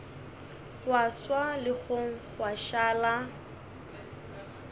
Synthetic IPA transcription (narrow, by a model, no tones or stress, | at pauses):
χwaswalɪɣʊχwaʃaːla